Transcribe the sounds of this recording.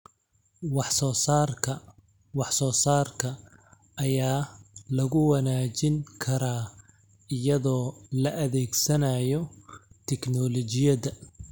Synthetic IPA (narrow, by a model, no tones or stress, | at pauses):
wɑħsɔːsaːrkʰɐ | wɑħsɔːsaːrkʰɐ | ʔːjaːlɐɣʊwɑnaːt͡ʃɪŋkʰɐɾaː | ɪjɐðɔːlɐʔɐðɛːɡsɐnɐjɔt̪ʰɛknɔlɔt͡ʃɪjɐðɐ